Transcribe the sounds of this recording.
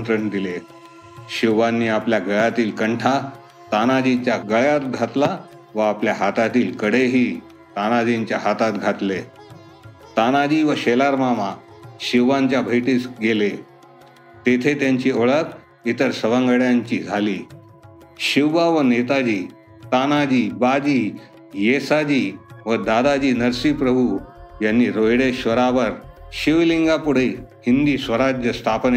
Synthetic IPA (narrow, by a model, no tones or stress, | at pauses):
nt̪ɾəɳd̪ile | ɕiʋːanːiːapljaɡəɭjat̪iːlkəɳʈʰa | t̪anad͡ʑit͡ɕjaɡəɭjat̪̚ɡʱat̪la | ʋəapljaɦat̪at̪iːlkəɽeɦiː | t̪anad͡ʑiɲt͡ɕjaɦat̪at̪ɡʱat̪le | t̪anad͡ʑiːʋəɕelaɾmama | ɕiʋːaɲt͡ɕjabʱəjʈiːsɡele | t̪et̪ʰet̪jaɲt͡ɕiːoɭək | it̪əɾsəʋaŋɡəɽjaɲt͡ɕiːd͡zʱalḭː | ɕiʋʋaʋənet̪ad͡ʑiː | t̪anad͡ʑiːbad͡ʑiː | jesad͡ʑiːʋəd̪ad̪ad͡ʑiːnəɾsiːpɾəbʱujanːiːɾojɽeɕʋəɾaʋəɾɕiʋliŋɡapuɽ̤ehind̪iːsʋəɾad͡ʑjəst̪ʰapne